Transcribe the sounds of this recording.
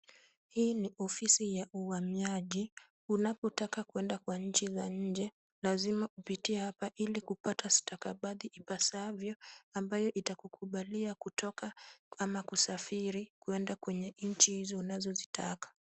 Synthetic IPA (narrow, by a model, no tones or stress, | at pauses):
hiːniʔɔfisijaʔuhamiaʄi | unapɔtakakuɛndakwaɲ̩t͡ʃizaɲ̩d͡ʒɛ | lazimaupitiɛhapaʔilikupatʰastakaɓaɗiʔipasavjɔambajɔʔitakukʰuɓaliakutɔkaamakusafiɾikuɛndakwɛɲɛɲ̩t͡ʃihizɔunazɔzitʰakḁ